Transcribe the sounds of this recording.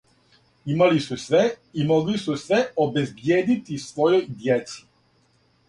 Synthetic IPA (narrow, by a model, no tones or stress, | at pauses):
imalisusʋɛimoɡlisusʋɛobezbjeːd̪it̪isʋojojd̪jɛt̪su̥